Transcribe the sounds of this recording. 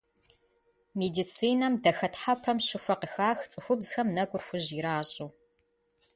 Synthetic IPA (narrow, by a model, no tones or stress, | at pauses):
meːdit͡sʰiːnɐmdɐxɐtħapʰɐmɕɪfʷɐqəxaːxt͡sʼɨxʷʊbzxɐmnɐɡʷʼʊrxʷʊʑiɾaːɕʼɪw